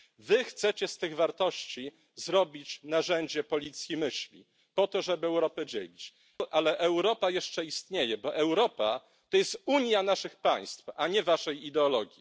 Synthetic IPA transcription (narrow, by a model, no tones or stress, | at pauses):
vɘxt̪sɛt͡ɕɛst̪ɘɣvaɾt̪ɔɕt͡ɕi | zɾɔbʲit͡ɕnaʐɛɲd͡ʑɛpɔlʲit̪sʲjimɘɕlʲḭ | pɔt̪ɔʐɛbɘɛwɾɔpɛd͡ʑḛlʲit͡ɕ | ʔalɛʔɛwɾɔpajɛʂt͡ʂɛist̪ɲejɛbɔʔɛwɾɔpa | t̪ɔjɛst̪uɲjanaʂɘxpaj̃st̪faɲɛvaʂɛjid̪ɛɔlɔɡʲji